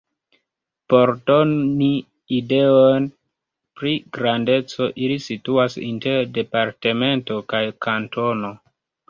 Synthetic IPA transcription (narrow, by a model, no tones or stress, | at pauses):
po̞ɾdo̞niː | de̞on | pɾiɡɾande̞t͡so̞ʔilisituasḭnte̞ɾde̞paɾte̞me̞nto̞kajkanto̞no̞